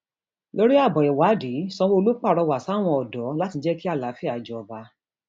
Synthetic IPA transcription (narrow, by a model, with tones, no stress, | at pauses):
lo˦ɾi˦a˦˨bɔ˨ɛ˨wa˨˦di˨˦sɔ̃˧wo˦o˧lo˦k͡pa˦˨ɾɔ˧wa˨sa˦˨w̃ɔ̃˧ɔ˨dɔ˨˦la˦ti˧d͡ʒɛ˦ki˦a˦˨la˨˦fi˦a˨d͡ʒɔ˨ɔ˨ba˧˦